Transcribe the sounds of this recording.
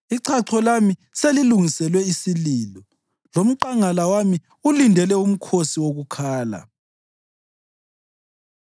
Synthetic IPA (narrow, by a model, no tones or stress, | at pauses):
iǀʰaǀʰɔlamiseliluŋisɛlwɛisiliːlɔ | lom̩ǃaŋalawami | ulindʱɛlɛum̩kʰosiwoɣukʰaːla̰